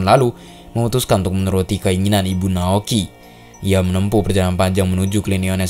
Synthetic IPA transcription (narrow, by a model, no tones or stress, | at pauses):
nlalu | məmut̪uskannt̪ʊk̚mənəɾut̪ikəiŋinanibunaoki | ijamənəmpupərd͡ʒaɾaanpaɲd͡ʒaŋmənud͡ʒuklinionɛ